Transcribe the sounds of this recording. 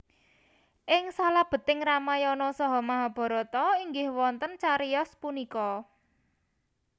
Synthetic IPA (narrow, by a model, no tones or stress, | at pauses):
ʔɪŋsalab̥ə̤t̪ɪŋramajɔnɔsɔɦɔmaɦɔb̥ɔ̤ɾɔt̪ɔiŋɡɪhwɔnt̪ənt͡ʃaɾijɔspunikɔ